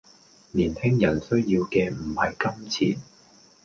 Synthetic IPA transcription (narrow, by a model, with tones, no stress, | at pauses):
niː˨˩nhɪ˥ŋjɐ˨˩nsɵ˥ɥjiː˧wkɛː˧m̩˨˩hɐ˨jkɐ˥mt͡sʰḭː˨˩n